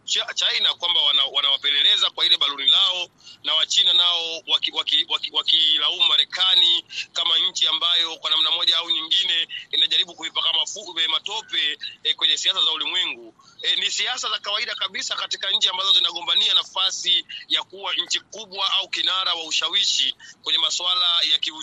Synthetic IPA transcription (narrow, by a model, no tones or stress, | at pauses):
t͡ʃat͡ʃainakwambawanawanawapɛlɛlɛzakwailɛɓalunilaɔ | nawat͡ʃinanaɔwakiwakiwakwakilaumaɾɛkanikamaɲ̩t͡ʃiambajɔkwanam̩namɔʄaauɲiŋɡinɛinaʄaɾiɓukuipakamafuɛmatɔpɛkwɛɲɛsiasazaulimwɛŋɡu | nisiasazakawaiɗakaɓisakatikaɲ̩t͡ʃiambazɔzinaɠɔmbanianafasijakuwaɲ̩t͡ʃikuɓwaʔaukinaɾawauʃawiʃikwɛɲɛmaswalajakiu